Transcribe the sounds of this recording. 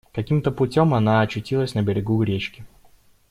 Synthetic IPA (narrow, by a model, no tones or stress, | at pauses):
kɐkʲimt̪əpʊtʲomɐnaɐt͡ɕːʊtʲilˠəsʲnəbʲɪɾʲɪɡuɡɾʲet͡ɕkʲɪ